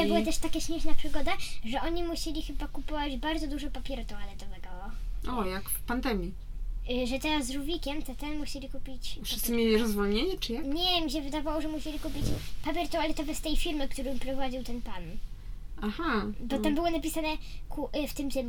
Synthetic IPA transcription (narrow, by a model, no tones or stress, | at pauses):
t̪ɔbɨwɔt̪ɛʂt̪akʲɛɕmʲɛʂnapʂɨɡɔd̪aʐɛʔɔɲimuɕelʲixɘbakupɔvad͡ʑbaɾd̪zɔd̪uʐɔpapʲjɛɾt̪ɔ̃walɛt̪ɔvɛɡɔɔɔjakpand̪ɛmʲji | ʐɛt̪ɛɾazːɾuvʲikʲɛmt̪ɛt̪ɛnmuɕelʲikupʲit͡ɕfʂɨ̥st̪ɨmʲjelʲiɾɔzvɔɲeɲɛt͡ʂɨjaɲɛmʲiɕ̬ɛvɘd̪avawɔʐɛmuɕelʲikupʲit͡ɕpapʲjɛɾt̪ɔ̃alɛt̪ɔvɛst̪ɛjfʲiɾmɘkt̪uɾɨ̃pɾɔvad͡ʑiwt̪ɛnpan | axabɔambɘwɔnapʲisanɛkuft̪ɘmt̪ɛm